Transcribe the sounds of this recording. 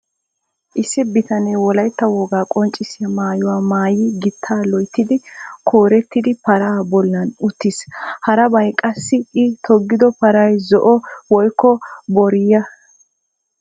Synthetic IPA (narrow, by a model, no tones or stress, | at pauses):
ʔɪsːɪbɪt̪ɐnejwɔlɐjt̪ːɐwɔɡaːkʼɔnt͡ʃʼːɪsɪɐmaːjʊwaːmaːjɪɡɪt̪ʰːaːlɔjt̪ːɪd̪ɪkʰoːɾɛt̪ːɪd̪ɪpɐɾaːbɔlːɐnʊt̪ːɪshɐɾɐbɐjkʼɐsːɪʔɪt̪ʰɔɡːɪd̪ɔpɐɾɐjzɔʔɔwɔjkːɔbɔɾɪjɐ